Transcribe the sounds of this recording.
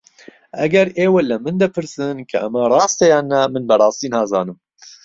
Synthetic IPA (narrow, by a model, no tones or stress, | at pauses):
ʔɛɡɛɾeːwelɨmɨnd̪ɐpʰɨɾsɨnkʰɐʔɐmɐrˤɑːst̪ejɑːnːɛmɨnbɐrˤɑːst̪iːnhɑːzɑːnɨm